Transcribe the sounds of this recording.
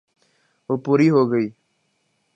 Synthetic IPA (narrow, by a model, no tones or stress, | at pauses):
oːpuːɾiːɦoːɡəiː